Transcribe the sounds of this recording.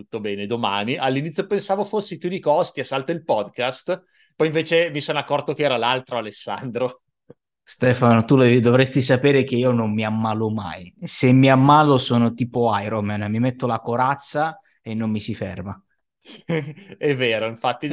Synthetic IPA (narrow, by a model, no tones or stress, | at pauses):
t̪ut̪ːobɛːned̪omaniʔalːinit̪jopensaːvofosːit̪ud̪ikɔst̪iasalt̪oilpɔd̪kast̪ | pɔjiɱveːt͡ʃemisonakːɔrt̪ok̟ɛːɾalalt̪ɾoalesːa̰nd̪ɾo | st̪ɛfanot̪uld̪ovɾɛst̪is̬apeːɾek̟eiːonomːiamːaːloma̰jsemːiamːaːlosoːnot̪iːpoajɾomanmimet̪ːolakoɾat̪sːa | enːomːisifɛ̰rma | ɛvːeːɾoiɱfat̪ːi